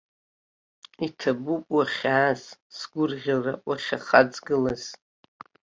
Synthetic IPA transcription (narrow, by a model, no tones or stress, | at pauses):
itʰabupʼwaχʲaːzsɡʷʊrʁʲalrawʷaχʲaχad͡zɡɨlaz̥